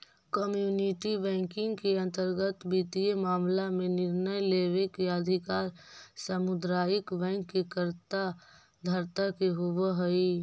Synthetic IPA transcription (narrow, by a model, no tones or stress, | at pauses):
kəmjuːniʈibɛ̃ːŋkɪ̃ŋɡkeə̃nt̪əɾɡət̪biːt̪iemaːmlamẽnɪɾnəjleːʋekeəd̪ʱɪkaːɾsəmʊd̪ɾaːjɪkbɛ̃ːŋkːekəɾt̪a | d̪ʱəɾt̪akeɦʊʋeɦoi